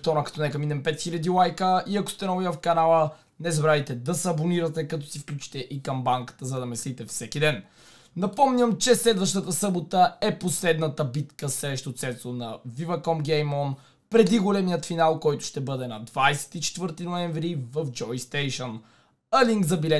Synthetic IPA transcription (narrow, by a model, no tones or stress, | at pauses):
t̪ɔnəkɐt̪ɔnɛkɐminɛmpɛt̪xilʲɐd̪ilˠajkəiɐko̥st̪ɛnɐjafkɐnalˠə | nɛzɐbɾavit̪ɛd̪ɐsɛɐboniɾɐt̪ɛkɐt̪ɔsifklʲut͡ʃi̥t̪ɛʔikɐmbaŋkə̥t̪əzɐd̪ɐmɛslit̪ɛfsɛkid̪ɛn | nɐpɔmɲʲəmt͡ʃɛslɛd̪vəʃt̪ət̪əsɤbot̪əɛposlɛd̪nət̪əbit̪kəsɾɛʃt̪ot̪sɛt̪onɐvivɐkɔmɡʲɛjmɔn | pɾɛd̪iɡolɛmijət̪finalˠkɔjt̪ʊ̥ʃt̪ɛbɤd̪ɛnɐd̪vajsɛ̥t̪it͡ʃɛ̥t̪vɤɾt̪inoɛɱvɾivəfd͡ʒɔjst̪ɛjʃən | əliŋkzɐbilɛ